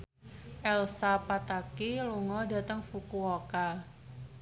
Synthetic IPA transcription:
ʔɛlsapat̪akiluŋɔda̤t̪əŋfukuoka

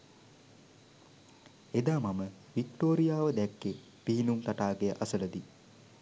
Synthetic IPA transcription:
ed̪aːmamə | ʋikʈoːɾijaːʋəd̪ɛkːe | piɦinumt̪aʈaːɡejəʔasələd̪i

